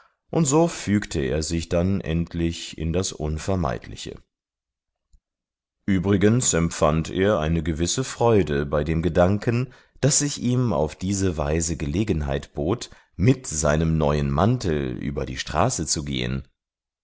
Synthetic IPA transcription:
ʔʊntz̥oːfyːktʰəḛːɐzɪçd̥anʔɛ̰ntʰlɪçɪ̰ndasʔʊnfɛɐma̰ɪtʰlɪ̰çə̰ | ʔyːbʁɪɡənsɛmpfantʔeːɐʔaɪnəɡəvɪsəfʁ̥ɔʏdəbaɪdeːmɡədaŋkən | d̥asz̥ɪçiːma̰ʊfd̥iːzəva̰ɪzəɡəleːɡn̩ɦa̰ɪtb̥oːt | mɪtz̥aɪnəmnɔʏənmantl̩ʔy̰ːbɐdiːʃtʁ̥aːsət͡suɡḛːə̰n

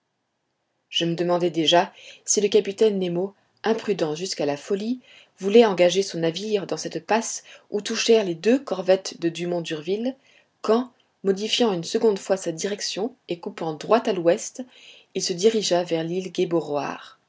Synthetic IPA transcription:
ʒ̥əməd̪əmɑ̃d̪ɛd̪eʒasiləkapit̪ɛnːemo | ɛ̃pχyd̪ɑ̃ʒyskalafɔli | vulɛɑ̃ɡaʒesɔ̃naviʁd̪ɑ̃sɛt̪pasut̪uʃɛʁled̪økɔʁvɛt̪d̪əd̪ymɔ̃d̪yʁvil | kɑ̃ | mɔd̪ifjɑ̃ynsəɡɔ̃d̪fwasad̪iʁɛksjɔ̃ekupɑ̃d̪ʁwat̪alwɛst̪ | ilsəd̪iʁiʒavɛʁlilɡʲeboʁwa̰ːʁ

